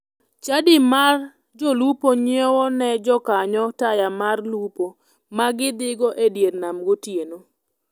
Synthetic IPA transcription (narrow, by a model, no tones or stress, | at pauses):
t͡ʃadɪmar | d͡ʒolupoɲiɔwɔnɛd͡ʒɔkaɲɔtajamarlupo | maɡɪd̪ɪɡɔʔedjernamɡotjeno